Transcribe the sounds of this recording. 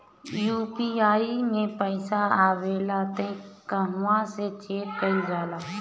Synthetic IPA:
juːpiːaːimẽpəɪsaaːʋeːlaːt̪əĩkəɦʊʋãset͡ʃʰeːʈkəid͡ʒaːlaː

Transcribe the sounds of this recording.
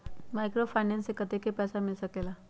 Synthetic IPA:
majkɾofajnensekət̪ekepɛsamilsəkela

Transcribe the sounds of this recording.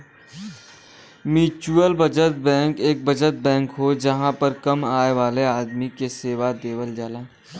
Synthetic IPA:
mit͡ʃuəlbɐd͡ʒət̪̚bɛ̃ːŋkeːk̚bɐd͡ʒət̪̚bɛ̃ːŋkɦod͡ʒɐɦãpəɾkɐmaːeʋaːleaːd̪mikeseːʋad̪eːʋəld͡ʒaːlaː

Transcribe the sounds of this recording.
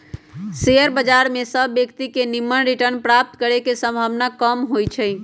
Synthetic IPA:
sejəɾbəd͡ʒaɾmesəbːjəkt̪ikenimənɾiʈəɾnpɾap̚t̪kəɾekesə̃mbʱaʋnakəmɦojt͡ʃʰɛ

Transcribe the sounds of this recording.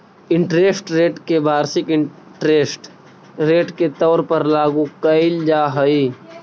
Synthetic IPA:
ɪ̃ɳʈɾeːsʈɾeːʈkebaːɾsɪkɪ | ʈɾeːsʈ | ɾeːʈket̪ɔːɾpəɾlaːɡukəɪld͡ʒaːɦəiː

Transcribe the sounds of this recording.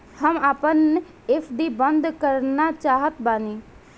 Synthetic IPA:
həmaːpən | eːpʰɖibə̃nd̪kəɾnat͡ʃaːɦət̪baːniː

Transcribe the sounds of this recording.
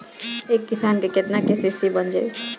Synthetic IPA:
ekːisankeket̪nakesesibənd͡ʒa

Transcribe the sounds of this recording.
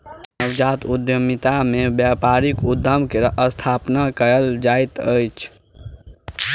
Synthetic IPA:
nəwd͡ʒat̪ud̪jəmit̪amebjapaɾikud̪ʱːəmkeəst̪ʰapnakəəld͡ʒajt̪əjt͡ʃʰ

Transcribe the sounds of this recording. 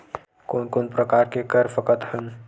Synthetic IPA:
koːnkoːnpɾɐkaːɾkekəɾfəkət̪hən

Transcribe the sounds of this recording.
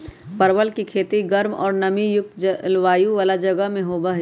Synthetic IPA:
pɐɾʋəlkikʰeːt̪iɡɐɾmɔ̰ːɾnɐmijʊk̚t̪d͡ʒəlʋaːjuʋaːlad͡ʒɐɡəɦmẽɦoːbɐɦ

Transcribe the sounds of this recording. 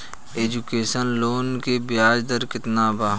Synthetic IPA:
eːd͡ʒukeːsənloːnkebɪjaːd͡ʒd̪əɾkɪt̪naːbaː

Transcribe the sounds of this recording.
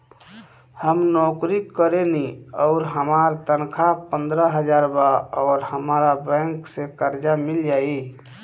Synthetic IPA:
həmnɔːkɾikːəɾeniɔːɾɦəmaːɾt̪ənkʰapə̃nd̪ɾəɦəd͡ʒaːɾbaɔːɾhəmaːɾabɛ̃ŋksekəɾd͡ʒamild͡ʒaːi

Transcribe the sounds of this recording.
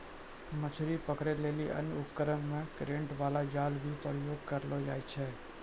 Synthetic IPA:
mət͡ʃʰuɾipəkɾeleːliʔə̰nʊpkəɾəɳmẽkɾẽɳʈʋaːlad͡ʒaːlʋʱipɾjoːɡ̚kəɾlod͡ʒa̰ːjt͡ʃʰeː

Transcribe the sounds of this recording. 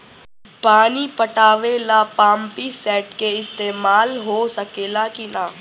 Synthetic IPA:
paːnipəʈaːʋelapãːmpisɛːʈkeɪst̪eːmaːlɦoːsəkeːlakinaː

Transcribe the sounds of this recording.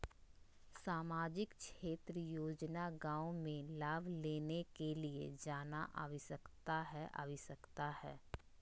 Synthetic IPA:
saːmaːd͡ʒɪkkʃeːt̪ɾəjoːd͡ʒnaɡãːomẽlaːbʱleːnekeliḛd͡ʒaːnaʔa̰ʋisəkt̪aɦɛʔa̰ʋisəkt̪ahɛ̰ː

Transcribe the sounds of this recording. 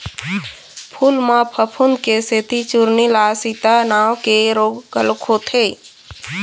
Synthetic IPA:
pʰuːlmãpʰəpʰʊnkeset̪it͡ʃuɾnilaːsit̪anaːwkeɾoːɡːəlkʰot̪ʰeː

